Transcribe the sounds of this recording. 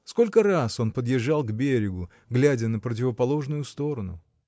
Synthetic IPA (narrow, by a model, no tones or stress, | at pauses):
sko̞lʲkəraso̞npəd̪jɪʐːalˠɡbʲeɾʲɪɡʊ | ɡlʲædʲənəpɾət̬ʲɪvəpɐlˠo̞ʐnʊjʊst̪o̞ɾənʊ̰